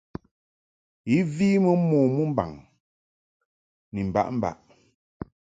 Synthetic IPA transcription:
i˨˦viː˦mə˦mɔː˨mu˦m̩˦ba̰˨ŋ | ni˨m̩˨ba̰˦˨ʔm̩˦ba̰˨ʔ

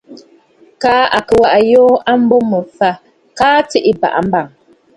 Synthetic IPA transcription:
kaː˦a˨kə˨wa˨ʔa˨jɔː˦a˦m̩˦bɔ˦mə˨fa˨ | kaː˦ti˦ʔi˦ba̰˨ʔa˨m̩˦ba˦˨ŋ

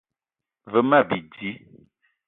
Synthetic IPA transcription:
və˨ma˦˨bi˨di˨˦

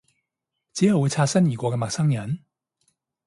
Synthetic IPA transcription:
t͡siː˨˥jɐ˨wu˨˧jt͡sʰaː˧t̚sɐ˥njiː˨˩kʷɔː˧kɛː˧ma˨k̚sɐ˥ŋjɐ˨˥n

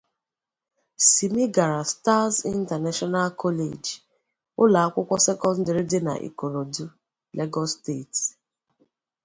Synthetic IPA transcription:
si˨mi˦ɡa˨ɾa˨sta˦zi˦n̩˦ta˨na˦ʃɔ˦na˦lkʰɔ˦lḛ˨d͡ʒ | ʊ˦la˨a˦kʷʊ˦kʷɔ˦se˦kɔ˦n̩˦de˨ɾi˦dɪ˦na̰˨ʔḭ˨ko˨ɾo˨du˦ | le˦ɡɔ˦ste˦˨t

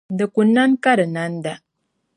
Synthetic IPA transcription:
ndə˨ku˨nːa˦nka˦ɾə˨na˨˦nda˨

